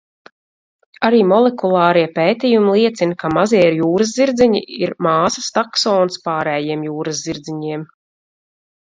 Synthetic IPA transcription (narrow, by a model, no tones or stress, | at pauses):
aɾiːmɔlekulˠɑːɾiɛpeːt̪ijumilˠiɛt̪sinkamaziɛɾjuːɾɐzziɾd̪ziɲḭiɾmaːsɐst̪aksɔːnspaːɾɛːjiɛmjuːɾɐzziɾd̪ziɲiɛm